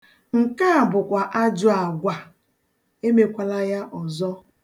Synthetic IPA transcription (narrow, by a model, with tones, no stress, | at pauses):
ŋ̩˨ka˦a˨bʊ˨kʷa˨ʔa˦d͡ʒʊ˨a˨ɡʷa˨ | e˦me˨kʷa˨la˦ja˦ʔɔ˨zɔ˦